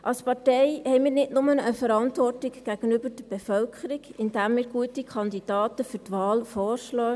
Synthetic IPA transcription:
ʔɑlspɑtɛɪhɛɪmiːɾnɪtnʊmənəfəɾɑntʋɔrtɪkɡ̥æɡ̥ənybəɾd̥əɾb̥ɛfœlkʰəɾɪɡɪnd̥æmːiːɾɡuətikʰɑndid̥ɑːtəfyɾtʋɑːlfɔːrʃlœː

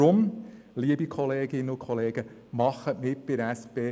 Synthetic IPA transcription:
ɾʊm | liəbikʰχɔleːɡɪnːəʊkʰχɔleːɡ̥ə | mɑχəʔmɪt̚pɪɾæspeː

